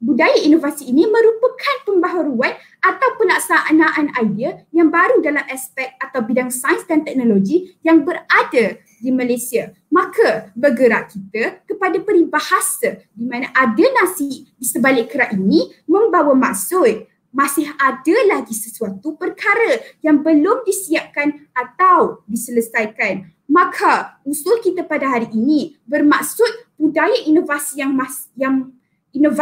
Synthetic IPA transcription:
budajaʔinovasiːnimə̃ɾupəkʰanpəmbaɦaɾuan | at̪awpəlaʔsaʔanaʔanaidiajaŋbaɾudalamɛspɛk̚t̪̚at̪awbidaŋsajənsdant̪ɛk̚noloɡijaŋbərada | dimalajsia | mãkʰabərɡəɾa̰ʔkit̪akəpadapəɾibahasadimãnaʔadanasidisəbalɪʔkəɾaʔinĩmə̃mbawamaʔsʊt̪̚ | mãsɪɦadəlaɡisəsuat̪upərkaɾəjaŋbəlʊmdisiap̚kanat̪awdisələsajkan | mãkʰausʊlkit̪əpadaɦaɾiʔːnĩbərmaʔsʊt̪̚pudajaʔinovasijaŋma | jaŋ | inov

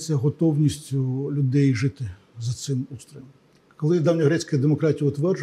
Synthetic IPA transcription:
sʲɐɦɔt̪ɔwnʲisʲtʲʊlʲʊd̪ɛjʒɪt̪ɪ | zɐt̪sɪmust̪ɾʲɔmʲ | kɔlˠɪd̪ɑwnʲɐɦɾɛt͡sʲkɐd̪emɔkɾɑtʲijɐʊt̪ʋɛrd͡ʒ

